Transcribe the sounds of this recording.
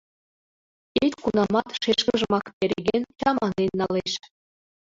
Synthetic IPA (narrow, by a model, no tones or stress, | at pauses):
et̪ʲkunɑmɑt̪ʃeʃkə̆ʒə̆mɑkpʲeɾʲeɡʲenʲt͡ɕɑmɑnenʲːɑleʃ